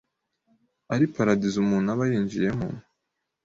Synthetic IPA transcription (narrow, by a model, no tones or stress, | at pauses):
aɾipaɾadizumuːnaβajiːɲd͡ʒije̞mṵn